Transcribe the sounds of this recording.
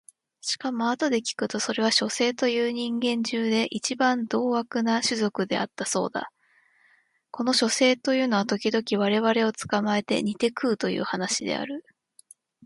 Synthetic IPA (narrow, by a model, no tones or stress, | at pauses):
ɕi̥kamo̞at̪o̞d̪e̞kʲi̥kɯ̟t̪o̞so̞ɾe̞βaɕo̞se̞ːt̪o̞jɯ̟ːɲ̟ĩŋɡẽ̞ɲ̟d͡ʑɨːd̪e̞ʔit͡ɕibãnd̪o̞ːβakɯ̟naɕɨzo̞kɯ̟d̪e̞̰a̰t̪ːaso̞̰ːd̪a̰ | ko̞no̞ɕo̞se̞ːt̪o̞jɯ̟ːno̞at̪o̞kʲid̪o̞kʲiβ̞aɾe̞βaɾe̞o̞t͡sɨ̥kamae̞t̪e̞̰ɲ̟it̪e̞kɯ̟ːt̪o̞jɯ̰ːhanaɕid̪e̞̰a̰ɾɯ̟